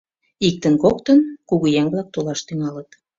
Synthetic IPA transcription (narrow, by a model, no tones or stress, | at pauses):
ik̚t̪ənkokt̪ənkuɣujæŋβlɑk̚t̪olɑʃt̪yŋɑlət̪